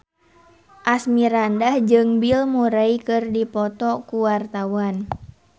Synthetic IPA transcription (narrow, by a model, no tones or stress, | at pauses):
ʔasmiɾandahd͡ʒɨŋbilmuɾaikɨrdipɔt̪ɔkuwart̪awan